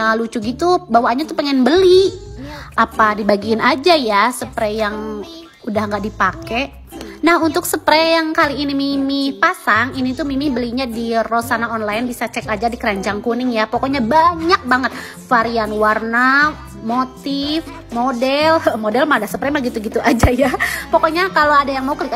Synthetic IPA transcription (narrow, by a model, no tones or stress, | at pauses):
lut͡ʃuɡit̪ubawaʔɲat̪upəŋɛnbəli | ʔapadibaɡiːnad͡ʒajasəpɾɛjaŋ | udahŋɡaʔdipakɛʔ | nahunt̪ʊksəpɾɛjaŋkaliːnimimɪhpasaŋinit̪umimihbəliɲadirosanaɔnlajnbisat͡ʃɛkad͡ʒadikəɾaɲd͡ʒaŋkunɪŋjapokɔɲabaɲak̚baŋət̪̚ | faɾianwarna | mot̪if | modɛlmodɛlmadasəpɾɛmahɡit̪uɡit̪uʔad͡ʒajapokɔɲakaloadajaŋmaukək